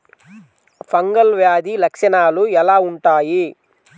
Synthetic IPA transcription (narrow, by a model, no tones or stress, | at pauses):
pʰɐŋɡɐlʋjaːd̪ilɐkʂɐnaːluɛlaːuɳʈaːji